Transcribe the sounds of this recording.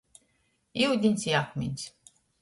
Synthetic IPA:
iud̪ʲinsiakʰmḭns

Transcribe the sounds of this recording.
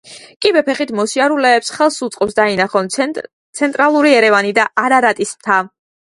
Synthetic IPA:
kʼibɛpʰɛχit̪ʰmɔsiaɾulɛːpsχɛlˠsut̪sʼqʼɔpsd̪ainaχɔn | t̪sʰɛnt̪ʼɾalˠuɾiɛɾɛvanid̪aaɾaɾat̪ʼismt̪ʰa

